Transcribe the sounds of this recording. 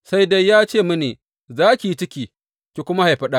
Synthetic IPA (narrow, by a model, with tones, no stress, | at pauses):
sa˦jda˦jːaː˦t͡ʃeː˦˨mʊ˦neː˨ | zaː˦kʲi˨i˦t͡ʃɪ˦kʲiː˨ | kʲi˨kʷʊ˦ma˦ha˨jɸɐ˦ɗa˦